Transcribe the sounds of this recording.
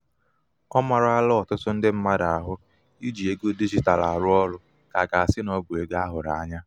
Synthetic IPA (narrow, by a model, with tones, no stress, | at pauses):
ɔ˦ma˨ɾʊ˦a˦lɔ˦ɔ˨tʊ˦tʊ˦n̩˦dɪ˦m̩˦ma˦da˨a˨ɦʊ˦ | i˦d͡ʒi˨e˦ɡo˦di˦d͡ʒi˦ta˨la˨ɾʊ˦ɔ˦ɾʊ˦ | ka˨ka˨a˨sɪ˦nɔ˦bu˨e˨ɡa˦ɦʊ˨ɾa̰˨a˦ɲa˦